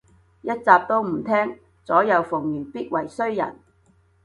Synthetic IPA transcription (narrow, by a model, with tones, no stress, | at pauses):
jɐ˥t̚t͡saː˧p̚t̪o˥wm̩˨˩t̪ʰɛː˥ŋ | t͡sɔː˨˥jɐ˨˧wfʊ˨˩ŋjyː˨˩npiː˥t̚wɐ˨˩jsɵ˥ɥjɐ̰˨˩n